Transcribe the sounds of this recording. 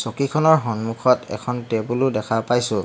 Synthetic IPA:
sɔkikʰɔnɔɹɦɔnmukʰɔtɛ̰kʰɔntɛbulʊdɛkʰapajsʊ̃

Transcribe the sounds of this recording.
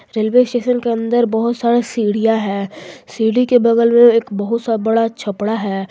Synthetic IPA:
ɾeːlʋeːsʈeːʃənkeɐ̃nd̪əɾbəɦʊt̪saːɾesiːɽijaɦɛːsiːɽikebɐɡəlmẽeːkbəɦʊt̪sabɐɽat͡ʃʰɐpɽaɦɛː

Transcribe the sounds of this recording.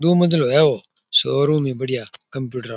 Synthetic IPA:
d̪oːməd̪əloːeːoː | soːɾõːmẽːbəɽɪjaːkəmpjuːʈəɾa

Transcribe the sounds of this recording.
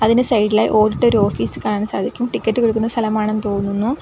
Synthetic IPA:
ɐðinesɐjɖilaːjḭʔo̞ːɽiʈːeo̞ɾuo̞ːfiːsɨkaːɳaːɳsaːd̪ʱikʲːumʈikʲːɐʈːɨkoɻuk̬ːunːɐst̪ʰɐlɐmaːɳenːt̪o̞ːnunːunːu

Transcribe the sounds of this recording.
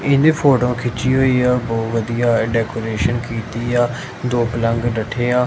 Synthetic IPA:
ɪ̃nd̪eːpʰoːʈõːkʰɪt͡ʃiːɦoːiːaːbɔːʋəd̪ijaːɖɛːkoːɾeːʃənkiːt̪iːaː | d̪oːpələŋɡɖəʈʰeːaː

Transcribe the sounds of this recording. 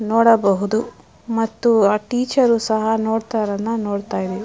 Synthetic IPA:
noːɽɐbɐɦud̪u | mɐt̪ːuʈiːt͡ʃɐɾuːsɐɦɐnoːɽt̪ɐɾɐnːunoːɽt̪aːjid̪ei

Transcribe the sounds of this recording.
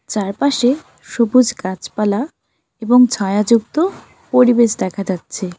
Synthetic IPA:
t͡ɕaɾpaʃe | ʃobud͡ʑkat͡ɕpala | eboŋt͡ɕʰaead͡ʑuk̚t̪o | poɾibeʃd̪ɛkʰad͡ʑatːɕʰe

